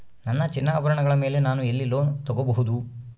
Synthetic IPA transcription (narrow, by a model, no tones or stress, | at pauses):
nɐnːɐt͡ʃinːaːʋɐɾɐɳɐɡɐɭɐme̞ːle̞naːnuelːiloːt̪ɔɡobɐɦud̪u